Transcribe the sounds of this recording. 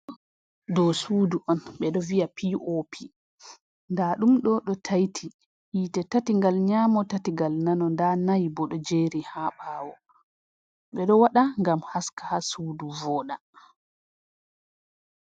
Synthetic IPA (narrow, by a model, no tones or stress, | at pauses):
dɔsuːduʔɔnɓɛɗɔvijapʰiʔopʰi | ndaɗumɗɔɗɔtʰajtʰi | hiːtɛtatiŋɡalɲaːmɔtatiɡalnanɔndanajbɔɗɔd͡ʒeɾihaːɓaːwɔ | ɓɛɗɔwaɗaŋɡamhaskḁhasuːduvɔːɗa